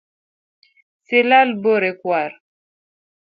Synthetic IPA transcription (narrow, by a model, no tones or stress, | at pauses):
selalboɾekwaɾ